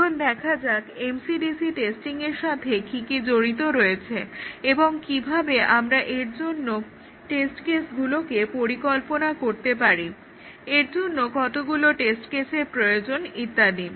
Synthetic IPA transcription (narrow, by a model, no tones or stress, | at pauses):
ond̪ɛkʰad͡ʑakemsiɖisiʈesʈiŋeɾʃat̪ʰekʰikid͡ʑoɽit̪oɾoet͡ɕʰeeboŋkibʱabeʔamɾaʔeɾd͡ʑonːo | ʈesʈkesɡulokepoɾikɔlponakoɾt̪epaɾi | eɾd͡ʑonːokɔt̪oɡuloʈesʈkeseɾpɾojod͡ʑonit̪ːad̪i